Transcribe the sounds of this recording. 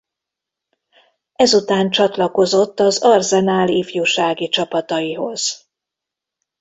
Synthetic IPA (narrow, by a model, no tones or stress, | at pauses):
ɛzut̪aːnt͡ʃɒt̪lɒko̞zo̞t̪ːɒzɒrzɛnaːliːfjuːʃaːɡit͡ʃɒpɒt̪ɒjiɦo̞z̥